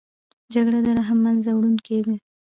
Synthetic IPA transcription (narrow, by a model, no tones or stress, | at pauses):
d͡ʒaɡɽad̪əɾaɦamːanzawɽunked̪e